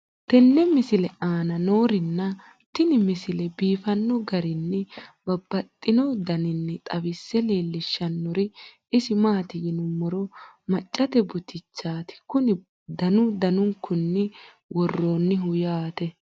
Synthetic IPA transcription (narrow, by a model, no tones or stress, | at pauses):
t̪ɛnːɛmɪsɪlɛaːnɐnoːɾɪnːɐ | t̪ɪnɪmɪsɪlɛbiːfɐnːɔɡɐɾɪnːɛbɐbːɐt̪ʼːɪnod̪ɐnɪnːɛt̪ʼɐbɪsːɛleːlːɪʃːɐnːɔɾɪ | ɪsɪmaːt̪ɪɡɪnʊmːɔɾɔmɐt͡ʃʼːɐt̪ɛbʊt̪ɪt͡ʃːaːt̪ɪ̥kʊnɪ | d̪ɐnʊd̪ɐnʊŋkʰːʊnːɪ | wʔɔrːoːnːɪɦʊjaːt̪ɛ